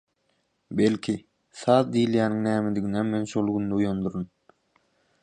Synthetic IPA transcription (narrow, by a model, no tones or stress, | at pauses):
belʲkʲʰi | θɑːðd̪iːljæːniŋnæːmed̪iɡineme̞nʃolˠɡynd̪eujond̪uɾun